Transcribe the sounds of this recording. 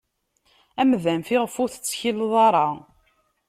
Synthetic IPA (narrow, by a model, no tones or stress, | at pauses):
æmðænfiʁəfʊɾθə̥t͡sːçilːðˤɑɾˤɑ